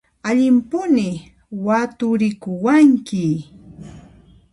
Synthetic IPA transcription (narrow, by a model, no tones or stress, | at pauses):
aʎɪmpʊnɪ | wat̪ʊɾɪkʊwaŋkɪ